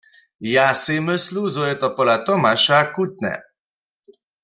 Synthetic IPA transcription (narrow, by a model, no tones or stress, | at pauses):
jaseməsluzoɛt̪ɔpɔlat̪ɔmaʃakut̪̚nɛ̰